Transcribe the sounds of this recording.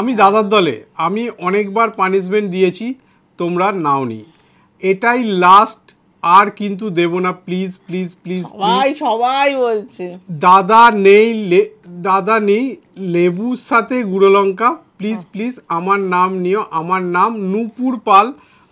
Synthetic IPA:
amid̪ad̪ad̪ːɔlḛamiʔɔnek̚baɾpaniʃ̬meɳʈd̪ijet͡ɕʰi | t̪omɾanaonḭ | eʈajlasʈ | aɾkint̪̬ud̪ebonaplizplizplizajʃɔbajbolt͡ɕʰed̪ad̪anejled̪ad̪anej | lebuʃat̪ʰeɡuɾolɔŋkaplizplizamaɾnamnijoʔamaɾnamnupuɾpal

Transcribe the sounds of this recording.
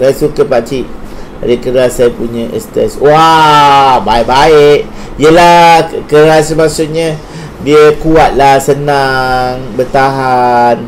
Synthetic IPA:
sajasukəpat͡ʃiʔ | aɾikəɾlasajapuɲãʔɛ̰st̪ɛ̰swa | baɪʔbaɪʔ | ijəlakəɾas̬əmasʊʔ̚ɲə̃ | diəkuat̪̚lahsənaŋbət̪aɦan

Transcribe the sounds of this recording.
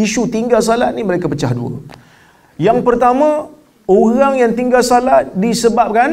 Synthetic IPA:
iʃut̪iŋɡals̬alat̪̚niməɾekapət͡ʃahdṵə̰ | jaŋpərt̪amã | oɣaŋjaŋt̪iŋɡalsalat̪̚disəbap̚kan

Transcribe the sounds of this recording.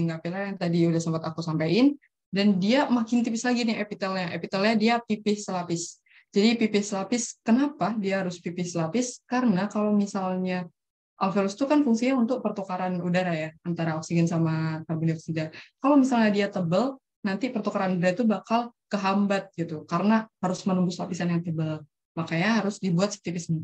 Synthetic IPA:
ŋɡapilaat̪adiudahsəmpat̪akusampaɪn | dandiamakɪnt̪ipɪslaɡinɪepit̪alɲaʔepit̪alɲadiapipɪhsəlapɪs | d͡ʒadipipɪhsəlapɪskənapadiaɦaɾʊspipɪhsəlapɪskaɾənakalowmisalɲa | ʔalfelust̪ukanfuŋsiɲaunt̪ʊk̚pərt̪ukaɾanudaɾajaant̪aɾaɔksiɡɛnsamak̪arbuniɔksid͡ʒankalawmisalɲadiat̪əbəl | nant̪ipərt̪ukaɾanudaɾait̪ubakalkəɦambat̪̚ɡit̪ukaɾənahaɾʊsmənumbʊslapisanjaŋt̪əbəl | makajɲaɦaɾʊsdibuat̪̚sə̥k̚t̪ifɪsmə

